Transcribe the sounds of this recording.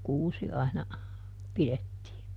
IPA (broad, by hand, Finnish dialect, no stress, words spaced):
kuːsi ɑinɑ piletːiː